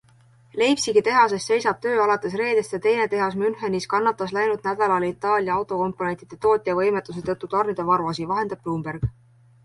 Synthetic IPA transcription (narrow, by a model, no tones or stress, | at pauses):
le̞jpsiɡit̪e̞ɦɑs̬e̞st̪se̞jsɑb̥t̪ø̞ːɑlɑt̪ːˑe̞s̬re̞ːd̪̥est̪jɑt̪e̞jne̞t̪e̞ɦɑsmynheniskɑnːɑt̪ːˑɑslæjnud̪̥næd̪̥ɑlɑlit̪ːˑɑːlʲjɑɑwt̪ˑo̞ko̞mpːˑo̞ne̞nt̪id̪̥e̞t̪o̞ːt̪ʲːˑijɑvɤjmet̪ːˑus̬et̪ɤt̪ːut̪ɑrnid̪̥evɑɾuɑsivɑɦe̞nd̪ɑb̥̚b̥luːmberɡ̥